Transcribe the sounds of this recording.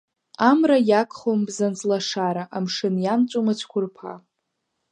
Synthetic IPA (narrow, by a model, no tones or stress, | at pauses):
amrajakʰʼχombzant͡sʼlaʂaɾaʔamʂɨnjamt͡ʃʷʼomat͡ʃʷʰkʷʰʊrpʰa̰